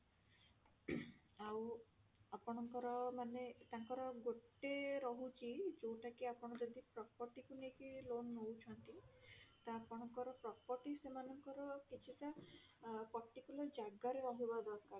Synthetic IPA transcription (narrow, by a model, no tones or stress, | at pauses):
aw | apɔɽ̃ɔŋkɔɾɔmanet̪aŋkɔɾɔɡoʈːeɾɔɦut͡ʃʰid͡ʒowʈakiapɔɽ̃ɔd͡ʒɔd̪ipɾɔpɔɾʈikunekilonːowt͡ʃʰɔnt̪it̪apɔɽ̃ɔŋkɔɾɔpɾɔpɔʈisemanɔŋkɔɾɔkit͡ʃʰiʈa | pɔɾʈikjulɔɾd͡ʒaɡaɾeɾɔɦibad̪ɔɾkaɾ